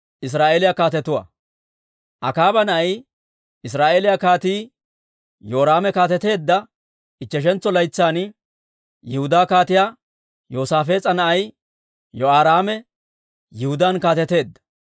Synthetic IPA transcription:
ʔɪs̬ɾaːʔeːlɪjakaːt̪ɛt̪ʊwɐ̰ | ʔɐkaːbɐnɐɐj | ɪs̬ɾaːʔeːlɪjakaːt̪iː | joːɾaːmɛkaːt̪ɛt̪e̞ːd̪ːɐ | ɪt͡ʃːɛʃ̬ɛnt͡sːɔlɐjt͡sːaːn | jɪhʊd̪aːkaːt̪ɪjaː | jo̞ːsaːfe̞ːt͡sʼɐnɐʔɐj | jɔaːɾaːmɛ | jɪhʊd̪aːnkaːt̪ɛt̪e̞ːd̪ːɐ̥

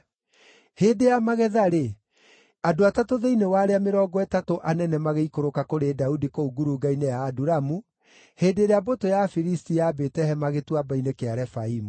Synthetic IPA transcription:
heːdejamaɣɛðaɾe | adoatatoðeinewaːɾeameɾɔːɡɔɛtatoʔanɛnɛmaɣeikoɾokakoɾedaudikouɡuɾuɡainɛjaːduɾamu | heːdeɾeabotojafiɾistijabetɛhɛmaɣetwabainekeaɾɛfaimu

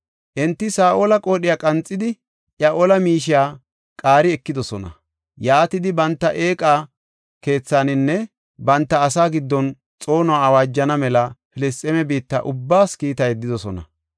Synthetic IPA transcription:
ʔɛnt̪ːɪsaːʔolɐkʼo̞ːɗɪjaːkʼɐnt͡sʼːɪd̪ɪ | ʔjaʔɔlɐmiːʃɪjaː | kʼaːɾɪɛkːɪd̪ɔsɔnɐ̰ | jaːt̪ɪd̪ɪbɐnt̪ːɐʔe̞ːkʼaː | ke̞ːt͡sːaːnɪnːɛ | bɐnt̪ːɐːsaːɡɪd̪ːɔn | t͡sʼo̞ːnʊaːɐwaːd͡ʒːɐnɐmɛlɐfɪlɪst̪ʼɛmɛbiːt̪ːɐ̰ʔʊbːaːskiːt̪ɐjɛd̪ːɪd̪ɔsɔnɐ̰

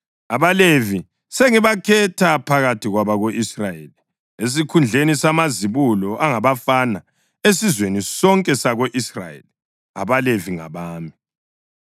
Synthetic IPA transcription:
aβalevi | seŋiβakʰɛtʰapʰaɣatʰiɣwaβaɣoʔisrajḛli | es̬ikʰund͡ɮʱenisamaziβulɔʔaŋaβafana | esizwenisɔŋkʼɛsaɣoʔisra̰jḛli | a̰βaleviŋa̰βaːmi

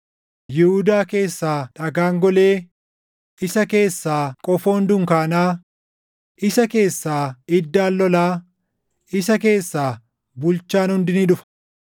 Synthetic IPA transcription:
jɪhʊd̪aːke̞ːsːaːᶑɐɡaːŋɡɔle̞ː | ʔɪsɐke̞ːsːaːkʼɔfo̞ːnd̪ʊŋkaːnaː | ʔɪsɐke̞ːsːaːɪd̪ːaːlːɔlaː | ɪsɐke̞ːsːaː | bʊlt͡ʃːaːnhʊnd̪ɪnɪᶑʊfɐ̥

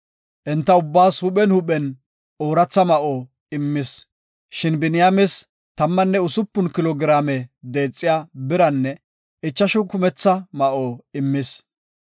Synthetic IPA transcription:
ʔɛnt̪ːɐʊbːaːshʊɓɛnhʊɓɛn | oːɾɐt͡sːɐmɐʔoː | ɪmːɪs | ʃɪnbɪnɪjaːmɛs | t̪ɐmːɐnːɛʊsʊpːʊnkɪlɔɡɪɾaːmɛd̪e̞ːt͡sʼːɪjaːbɪɾɐnːɛ | ʔɪt͡ʃːɐʃʊkʊmɛt͡sːɐmɐʔoːɪmːɪs

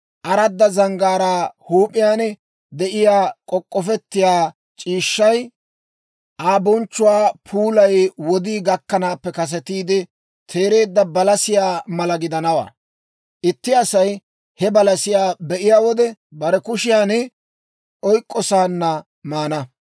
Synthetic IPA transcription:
ʔɐɾɐd̪ːɐzɐŋɡaːɾaːhuːpʼːɪjaːnɛ | d̪ɛʔɪjaːkʼɔkʼːɔfɛt̪ːɪjaː | t͡ʃʼiːʃːɐj | ʔaːbɔnt͡ʃːʊwaːpʰuːlɐjwɔd̪iːɡɐkːɐnaːpːɛkɐs̬ɛt̪iːd̪ɛ | t̪ʰe̞ːɾe̞ːd̪ːɐbɐlɐsɪjaːmɐlɐɡɪd̪ɐnɐwa̰ː | ʔɪt̪ːɪɐsɐj | hɛbɐlɐsɪjaːbɛʔɪjaːwɔd̪ɛbɐɾɛkʊʃɪjaːnɛ | ʔɔjkʼːɔsaːnːɐ | maːnɐ

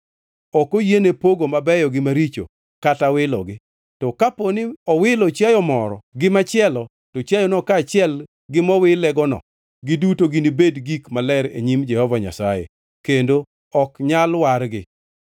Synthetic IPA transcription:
ɔkojenepoɡomabɛjɔɡɪmaɾit͡ʃo̰ | katawɪlɔ̰ɡɪ | tɔkaponiɔwɪlɔt͡ʃjajɔmɔɾɔ̰ɡɪmat͡ʃɪɛlɔ | tɔt͡ʃjajɔnɔkaːt͡ʃɪɛl | ɡɪmɔwɪlɛɡɔnɔ̰ | ɡɪdutoɡɪnibedɡikmalɛɾḛɲimd͡ʒɛhɔvaɲa̰sajḛ | kendo | ɔkɲalwaɾɡɪ

